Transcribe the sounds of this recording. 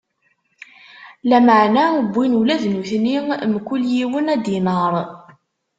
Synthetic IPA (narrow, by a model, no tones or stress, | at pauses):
læməʕnæəbʷːinulæðnuθnimkːʊljiwənæd̪inəɾˤ